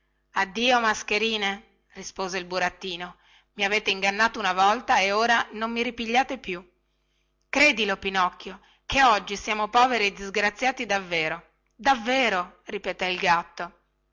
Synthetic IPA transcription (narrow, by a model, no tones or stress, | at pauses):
ad̪ːiːomaskeɾiːne | rispoːzeilbuɾat̪ːiːno | miaveːt̪eiŋɡanːaːt̪ounavɔlt̪aeoːɾanomːiɾipiʎːaːt̪epju | kɾeːd̪ilopinɔkːjo | keɔd͡ʒːisiaːmopɔːveɾied̪ːizɡɾat̪sːjaːt̪id̪avːeːɾo | d̪avːeːɾo | ripet̪ɛilɡat̪ːo